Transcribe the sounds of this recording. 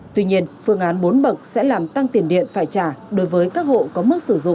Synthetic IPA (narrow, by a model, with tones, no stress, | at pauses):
t̪wi˧ɲi˧ənfɨ˧əŋʔaː˨˦nɓo˨˦nɓə˨˩k̚sɛ̰˧˥laː˨˩mt̪a˧ŋt̪i˨˩ənɗḭ˧˨ənfaː˧˩jt͡ɕaː˧˩ɗo˨˦jvəː˨˦jkaː˦˥k̚ho̰˧˨kɔ˨˦mɨ˦˥k̚sɨ˧˩˨zʊ̰˧˨ŋ͡m